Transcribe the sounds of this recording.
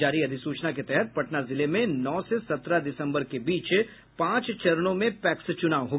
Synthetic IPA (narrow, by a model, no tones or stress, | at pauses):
aːɾiɐd̪ʱɪsuːt͡ʃnaket̪ɛɦɛt̪̚pɐʈnazɪlemẽnɔːsesɐt̪ɾad̪ɪsə̃mbəɾkebiːt͡ʃ | pãːt͡ʃt͡ʃɐɾənõmẽpɛːkst͡ʃʊnaːʋɦo